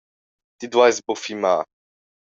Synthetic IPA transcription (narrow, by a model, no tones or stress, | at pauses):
t̪id̪wajzbofima